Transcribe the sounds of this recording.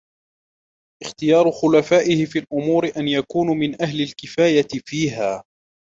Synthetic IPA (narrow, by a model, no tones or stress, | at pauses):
ʔɪxt̪ɪjɑːɾˤʊxʊlafaːʔɪhɪfiːlʔʊmuːɾɪʔanjakuːnmɪnʔahlɪlkɪfaːjaɪfiːɦaː